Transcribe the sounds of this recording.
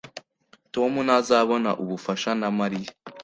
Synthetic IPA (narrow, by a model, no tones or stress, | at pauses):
to̞munazaβo̞na̰ʔuβufaʃanamaɾija